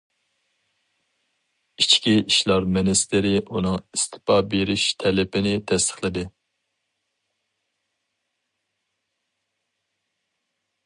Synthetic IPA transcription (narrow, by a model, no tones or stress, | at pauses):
it͡ʃkʲiiʃlˠɑɾmɪnɪst̪ɪɾɪʔunɨŋist̪ʰɪ̥pɑbeɾɪʃt̪ʰɛlɪpʰɪnɪt̪ʰɛst̪ʰə̥χlˠɨd̪ɪ